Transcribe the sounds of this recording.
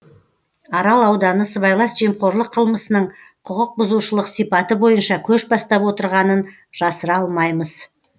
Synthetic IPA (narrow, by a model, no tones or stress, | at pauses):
ɑɾɑlˠɑwd̪ɑnəsəβɑjlˠɑsʒemχoɾlˠəqʰːəlˠməsənəɴ | qʰʊqəq̚bʊzuʃəlˠəqsijpɑt̪əbo̞jənʃɑkʲʰɵʃbɑst̪ɑpwo̞t̪əɾʁɑnən | ʒ̥ɑsəɾɑlˠmɑjməz